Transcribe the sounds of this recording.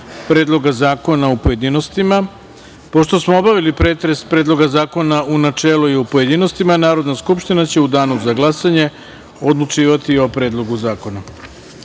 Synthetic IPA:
pɾe̞ːd̪lˠo̞ɡazaːko̞naupoje̞d̪inost̪ima | poʃt̪o̞smoobaʋilipɾe̞ːt̪ɾe̞spɾeːd̪lˠo̞ɡazaːko̞naunat͡ʂeːluiupojed̪ino̞st̪imanaːɾo̞d̪naskupʃt̪inat͡ɕe̞ud̪aːnuzaɡlˠasaɲe̞ | o̞d̪lˠut͡ʃiːʋat̪io̞pɾeːd̪lˠo̞ɡuzaːko̞na

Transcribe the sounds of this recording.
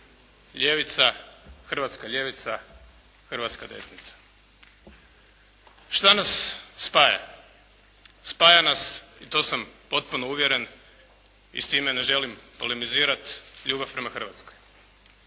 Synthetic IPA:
ʎeʋit̪saxr̩ʋat̪skaʎe̞ʋit̪sa | xrʋat̪skad̪e̞̰snit̪sḁ | ʃt̪anasːpaːja̰ | paːjanasit̪oːsampo̞t̪̚punouʋjeɾen | ḭst̪iːmene̞ʒe̞limpo̞lemiziːɾat̪ʎuːbafpɾe̞maxr̩ʋat̪skoj

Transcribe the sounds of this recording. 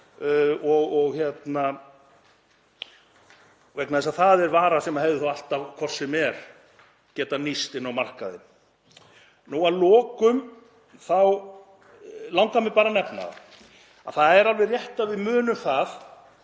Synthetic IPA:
ɔɣɔɣçjɛt̪na | vɛknaðɛsaðθaðɛɾvaːɾasɛmahɛvðɪθawal̥t̪avkʰvɔr̥sɛmɛɾ̥ | cɛːt̪anist̪ɪnːawmar̥kaðɪ̰ | nuaðlɔːkʏm | θaw | lawŋkamɪpaːɾanɛpna̰ða̰ | a̰θaðɛɾalvɛrjɛht̪avɪðmʏːnʏmθað

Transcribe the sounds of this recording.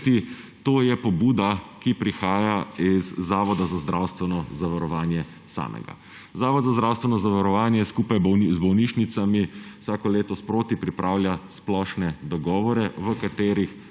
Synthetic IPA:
t̪i | t̪oːjɛpɔbuːd̪akipɾixaːjaizːaːʋɔd̪azazd̪ɾʔawst̪ʋɛnɔzaʋaɾɔʋaːnjɛ | sa̰ːmʔɛ̰ɡa̰ | zaːʋɔd̪zazd̪ɾawst̪ʋɛnɔzaʋaɾɔʋaːnjɛskuːpajbzbɔwniʃnit̪samiwsaːkɔleːt̪ɔspɾoːt̪ipɾipɾʔaːwljasplɔʃnɛd̪ɔɡɔːʋɔɾɛʋəkat̪eːɾix

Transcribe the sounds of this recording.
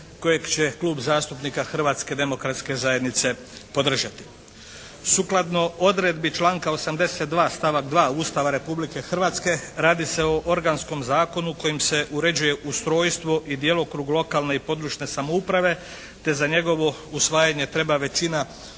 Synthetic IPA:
ko̞jeɡt͡ɕe̞klˠuːbzaːst̪upnikaxr̩ʋaːt̪ske̞d̪e̞mo̞kɾat̪ske̞zaje̞d̪nit̪se̞ | po̞d̪r̩ʒat̪i̥ | suklˠad̪no̞o̞d̪ɾed̪bit͡ʃlˠaːŋkaosamd̪e̞set̪̚d̪ʋaːst̪aʋaɡd̪ʋaːuːst̪aʋaɾe̞publike̞xr̩ʋaːt̪ske̞ɾaːd̪ise̞oʔo̞ɾɡansko̞mzaːko̞nuko̞jimse̞ʔuɾe̞d͡ʑuje̞ʔust̪ɾo̞ːjst̪ʋo̞ʔid̪jelokɾuːɡlˠo̞kalˠne̞ipo̞d̪ɾuːʃne̞samoupɾaʋe̞ | t̪e̞zaɲe̞ɡo̞ʋo̞usʋaːjaɲe̞t̪ɾe̞baʋe̞t͡ʃina

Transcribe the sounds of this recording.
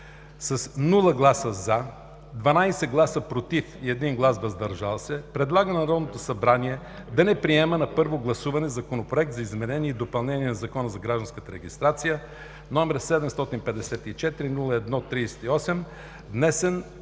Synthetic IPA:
sɐsnulˠəɡlˠasəza | d̪vɐnajsɛɡlˠasəpɾot̪ifiɛd̪inɡlˠasvɐzd̪ɐɾʒalˠsɛpɾɛd̪lˠaɡənɐɾɔd̪not̪osɐbɾaniɛ | d̪ɐnɛpɾiɛmənɐpɤɾvoɡlˠɐsuvɐnɛzɐkonopɾoɛk̚t̪zɐizmɛnɛnʲiɛid̪opɐlˠnɛnʲiɛnɐzɐkɔnəzɐɡɾaʒd̪ɐnskət̪əɾɛɡʲist̪ɾat̪sijə | nɔmɛɾsɛd̪ɛmst̪ɔt̪inpɛd̪ɛsɛt̪it͡ʃɛt̪iɾinulˠəɛd̪nɔt̪ːɾiɛsɛ̥t̪iɔsɛm | d̪nɛsɛn

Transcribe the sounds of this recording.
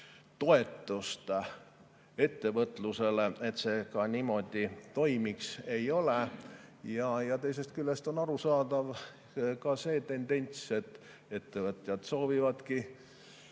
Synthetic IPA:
t̪o̞e̞t̪ːˑust̪ | e̞t̪ːe̞vɤt̪ˑluse̞leet̪se̞ːkɑnimo̞d̪̥it̪o̞jmikse̞jo̞lejɑjɑt̪e̞js̬e̞st̪̚kylːest̪o̞nɑɾusɑːd̪̥ɑv | kɑse̞ːt̪e̞nd̪̥e̞nʲt̪se̞t̪ːˑ | e̞t̪ːe̞vɤt̪jɑd̪̥so̞ːvivɑd̪̥ki

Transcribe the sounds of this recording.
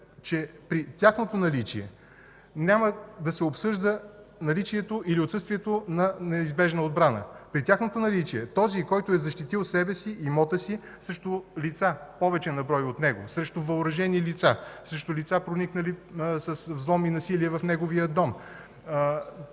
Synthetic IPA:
t͡ʃɛpɾit̪ʲaxnot̪onɐlit͡ʃiɛ | nʲaməd̪ɐsɛopsɤʒd̪ə | nɐlit͡ʃiɛt̪oʔiliot̪sɤst̪viɛt̪onɐnɛizbɛʒnəod̪̚bɾanə̰pɾit̪ʲjaxnot̪onɐlit͡ʃiɛt̪ɔzikɔjt̪ʊɛzɐʃt̪it̪ilˠsɛbɛsiːmɔt̪əsi | sɾɛʃt̪olit̪sapɔvɛt͡ʃɛnɐbɾɔjot̪nɛɡosɾɛʃt̪ovɐʊɾɐʒɛnilit̪sasɾɛʃt̪ʊlit̪sapɾoniknəlisəsvzlˠɔminɐsiliɛvɐfnɛɡovijəd̪ɔm

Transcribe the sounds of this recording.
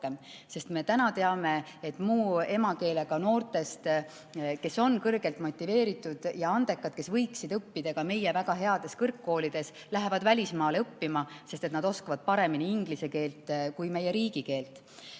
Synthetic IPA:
em | se̞st̪me̞t̪ænɑt̪eɑme̞et̪ːˑmuːe̞mɑke̞ːle̞ɡ̥ɑno̞ːrt̪e̞st̪ | ke̞so̞nkɤrɡ̥e̞lt̪ˑmo̞t̪ʲːˑive̞ːɾit̪ːˑud̪̥jɑɑnd̪̥e̞kːˑɑd̪̥̚ke̞svɤjksid̪̥ɤpːid̪̥ɑɡ̥ɑme̞jevæɡɑɦe̞ɑd̪̥e̞skɤrkːo̞ːlid̪̥e̞s | læɦe̞vɑd̪vælʲismɑːleɤpːimɑsest̪e̞t̪nɑd̪̥o̞skɑvɑd̪̥̚pɑɾe̞miniiŋɡ̥lise̞ke̞ːlt̪ˑkujme̞jːeɾiːɡike̞ːlt̪ˑ

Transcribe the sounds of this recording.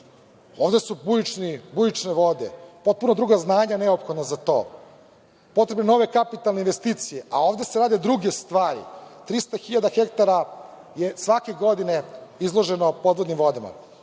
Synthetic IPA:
o̞ːvd̪e̞subujit͡ʃnibujit͡ʃneʋo̞d̪epo̞t̪̚punod̪ɾuːɡaznaːɲaneopxo̞d̪nazat̪o̞̰ː | po̞t̪ɾe̞bneno̞ʋe̞kapit̪alneinʋest̪iːt̪sijeʔa̰o̞ːʋd̪e̞seɾaːd̪ed̪ɾuɡe̞st̪ʋaːɾḭt̪ɾist̪axiʎad̪axe̞kt̪aɾajesʋake̞ɡo̞d̪ine̞izlˠoʒenopo̞d̪ʋo̞d̪nimʋo̞d̪ama̰

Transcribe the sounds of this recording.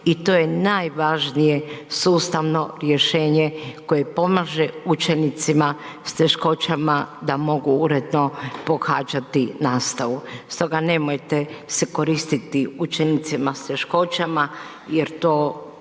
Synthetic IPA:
it̪oːje̞naːjʋaʒnije̞suːst̪aʋno̞ɾje̞ʃe̞ːɲeko̞je̞po̞maːʒeut͡ʃe̞nit̪sima | st̪eʃko̞t͡ʃamad̪amo̞ɡuuɾed̪no̞po̞xaːd͡ʒat̪inaːst̪aʋust̪o̞ɡane̞mojt̪eseko̞ɾist̪it̪iut͡ʃenit̪simast̪e̞ʃko̞t͡ʃama | jeɾt̪o̞ː

